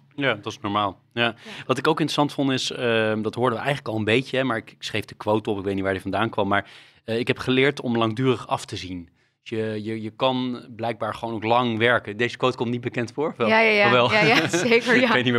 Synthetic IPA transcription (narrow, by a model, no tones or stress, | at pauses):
jadɑtɪsnɔɹmaːlˠ | jaʋɑtɪkowkɪntrəsɑntfontɪsədɑtɦoːɹdəʋəʔɛjχənləkɑlˠə̃mbejcəɦɛmaːɹɪkksrejvdəkʋowtɔpɪk̚ʋejtniʋaːɹdivɑndaːnkʋɑmːaːɹ | ɪkɦɛpχəlɪːɹtɔmlɑŋdyːrəχɑftəzin | jəjəjəkɑnblɛjɡ̚baːɹχəʋoːnowklɑŋʋɛɹkədejzəkʋowtkɔmtnit̚bəkɛntfʊːɹʋɛaaɔʋɛlˠaekəejtni